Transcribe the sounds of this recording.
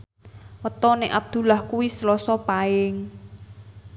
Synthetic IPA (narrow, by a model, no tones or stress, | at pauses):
wət̪ɔneʔab̚d̪̥ṳlahkuwislɔsɔpaɪŋ